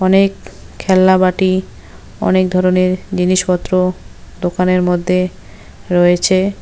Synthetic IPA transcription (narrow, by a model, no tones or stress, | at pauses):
ɔnek | kʰːɛlːabaʈi | ɔ̰nek̚d̪ʱɔɾoneɾd͡ʑiniʃpɔt̪ːɾod̪okaneɾmod̪ʱːe | ɾɔet͡ɕʰe